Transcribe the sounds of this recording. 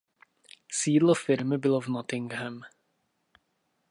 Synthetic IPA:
siːdlofɪɾmɪbɪlovnot̪ɪŋɡɦɛm

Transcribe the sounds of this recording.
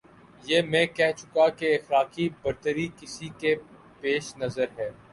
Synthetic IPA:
jeːmɛ̃kɛɦt͡ʃʊkakeɪxlaːkibɐɾt̪əɾikɪsike | peːʃnɐzəɾɦɛː

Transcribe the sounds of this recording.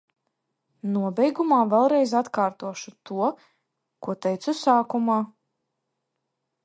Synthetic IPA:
nuɔbʲɛjɡumaːvɛlˠɾɛjzat̪kaːɾt̪uɔʃut̪ʰuɔ | kuɔt̪ɛjt̪susaːkumaː

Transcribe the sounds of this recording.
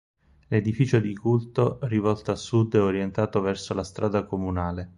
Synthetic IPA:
led̪ifiːt͡ʃod̪ikult̪orivɔlt̪oasːud̪ːɛoɾjent̪aːt̪ovɛrsolast̪ɾʔaːd̪akomunaːle

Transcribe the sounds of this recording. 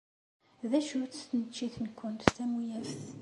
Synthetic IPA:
ðæʃʊɾt͡sst̪ənət͡ʃːiθnkʷːʊnt̪tæmujæɾθ

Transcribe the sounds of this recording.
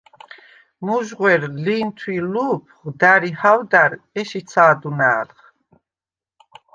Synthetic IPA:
muʒʁwɛɾliːnt̪ʰwiluːpʰʁd̪aɾihawd̪aɾɛʃit̪sʰaːd̪unaːlχ

